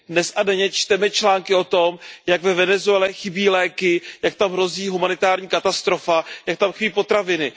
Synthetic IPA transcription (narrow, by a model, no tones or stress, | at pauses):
dnɛsʔadɛɲɛt͡ʃt̪ɛmɛt͡ʃlaːŋkɪo̞t̪omjaɡvɛvɛnɛzuɛlɛxɪbiːlɛːkɪjakt̪amɦɾo̞ziːɦumanɪt̪aːɾɲiːkat̪ast̪ɾo̞fajak̚t̪amxɪbiːpo̞t̪ɾavɪnɪ